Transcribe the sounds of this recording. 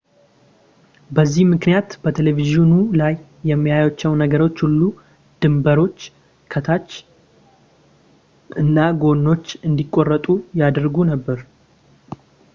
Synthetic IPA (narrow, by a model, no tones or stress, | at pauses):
bəzːihmɨknijat̪b̥ət̪ʰeleviʒiunulajː | ɛmːijajot͡ʃːɛwnəɡəɾo̞t͡ʃːhulːu | d̪̥ɨmbəɾo̞t͡ʃː | kʰət̪ʰat͡ʃː | ʔɨnːaɡo̞nːo̞t͡ʃːɨnd̪ikʼːo̞rːət̪ʼujad̪ɾɡunəbːəɾ